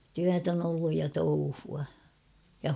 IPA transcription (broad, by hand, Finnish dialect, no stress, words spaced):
tyæt on olːuj jɑ touhuɑ jɑ